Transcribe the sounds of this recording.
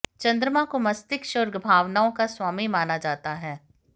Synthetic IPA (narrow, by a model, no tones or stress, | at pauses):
t͡ʃɐ̃nd̪ɾəmãkomɐst̪ɪkʃʊɾɡbʱaːʋnaːõkaswaːmimaːnad͡ʒaːt̪aɦɛː